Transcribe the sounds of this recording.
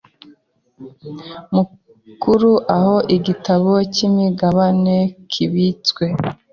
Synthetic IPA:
mu | kuɾuʔaho̞ʔiɡitaβocimiɡaβane̞kʰiβit͡swe̞

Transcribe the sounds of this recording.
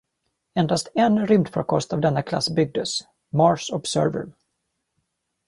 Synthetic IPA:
ɛnd̪ast̪ɛnɾʏmd̪fɔɾkʰɔst̪avd̪ɛnːakʰla̰sːbʏɡ̚d̪əs | mɑɹʂɔbsœ̰ɾvə̰ɾ

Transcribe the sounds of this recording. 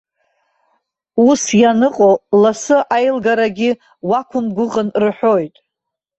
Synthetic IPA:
usjanɨqʼolasɨʔajlɡaɾaɡʲɪ | wakʷʰʊmɡʷʊʁənrħʷo̞jtʼ

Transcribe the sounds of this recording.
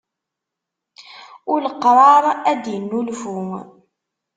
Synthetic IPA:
ʊləqɾˤɑɾˤæd̪jənːulfuŋ

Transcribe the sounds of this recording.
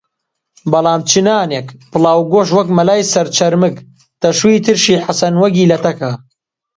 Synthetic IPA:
bɐlˠaːmt͡ʃʰɨnaːnekpɨlˠɑːwɡoːʃ̬wɐkmɐlaːjsɐɾt͡ʃʰɐɾmɨk | t̪ɐʃwiːt̪ʰɨɾʃiːħasɐnwɐɡiːlɐt̪ɐkʰɐ

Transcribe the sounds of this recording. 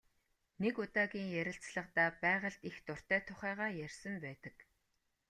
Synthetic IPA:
nekʊt̪aːɣʲiːŋjæɾʲɪ̆ɬt͡sɮə̆qt̪aːpæːʁə̆ɮt̪ixt̪ʊr̥t̪æːt̪ʰʊχæːʁaːjærʲsə̆mpæːt̪ə̆k

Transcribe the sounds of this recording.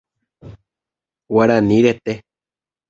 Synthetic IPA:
waɾaniɾet̪e

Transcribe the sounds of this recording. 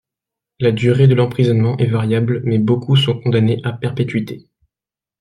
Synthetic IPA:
lad̪yʁed̪əlɑ̃pχizɔnmɑ̃ʔɛvaʁjablmɛbokusɔ̃kɔ̃d̪aneʔapɛʁpet̪ɥit̪e

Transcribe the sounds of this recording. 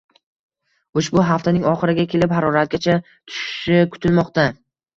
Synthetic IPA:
ʊʃbʊɦaft̪anɪŋɒχɨɾɪɡʲakʲʰe̞lɪpɦaɾɒɾat̪̚ɡʲat͡ʃʰa | t̪ʰʊ̥ʃɪ̥ʃɪkʰʊ̥t̪ʰɪlmɒqt̪a

